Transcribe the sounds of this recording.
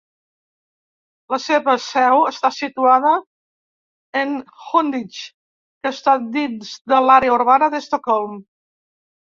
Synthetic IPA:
ləseβəsɛwəst̪asit̪uað̞ə | nxond̪it͡ʃ | kəst̪ad̪inzd̪əlaɾeəuɾβanəðəst̪okɔlˠm

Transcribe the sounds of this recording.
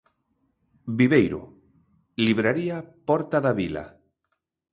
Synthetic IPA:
biβejɾo̰ | liβɾaɾiapɔɾt̪aðaβila̰

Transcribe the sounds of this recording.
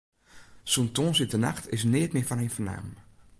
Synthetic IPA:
suntoːnsɪtəna̰xtʰɪs̬nɪətmɪːfɔnɪjnfərna̰ːm

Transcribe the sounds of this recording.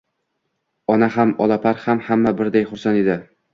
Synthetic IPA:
ɒnaɦamɒlˠapʰaɾhamhamːabɪɾd̪ajχʊɾsaned̪ɪ

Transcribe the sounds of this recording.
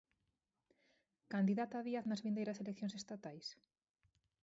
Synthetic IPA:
kand̪iðat̪aβiaθnɐzβind̪ejɾɐselekθjõŋnsest̪at̪ajs

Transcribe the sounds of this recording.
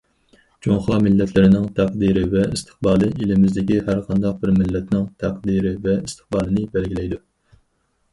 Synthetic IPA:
d͡ʒoŋχɑmɪlːɛt̪ʰlɪɾɪnɪŋt̪ʰæq̚d̪iɾɪvɛist̪ʰɨ̥χbɑːlˠɨilɪmɪzd̪ɪkʲihæɾqʰɑnd̪ɑq̚bɪɾmɪlːɛt̪nɪŋt̪ʰæq̚d̪iɾɪvɛist̪ʰɨ̥χbɑːlˠɨnɪbɛlɡʲilɛjd̪u

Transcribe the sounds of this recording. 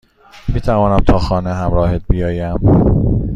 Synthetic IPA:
miːt̪ʰævɒːnæmt̪ʰɒːxɒːneɦæmɾɒːhet̪̚bijɒːjæm

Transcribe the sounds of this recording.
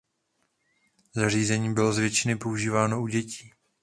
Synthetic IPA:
zariːzɛɲiːmbɪlo̞zvjɛt͡ʃɪnɪpo̞uʒiːvaːno̞uɟɛciː

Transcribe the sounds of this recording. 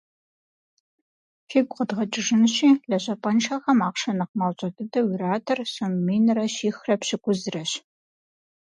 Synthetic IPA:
fiːɡʷʼqədʁɐt͡ʃʼɪʐɨnɕiːɮɐɕɐpʼɐnʃʰɐxɐmaːqʂɐnɐqmaːwɕʼɐɡɨdɐwiraːtʰɐrsommiːnrɐʃiːxrɐpɕɪɡʷʊzɨrɐɕ

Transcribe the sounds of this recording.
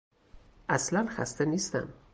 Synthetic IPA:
ʔaslanxa̰st̪enist̪a̰m

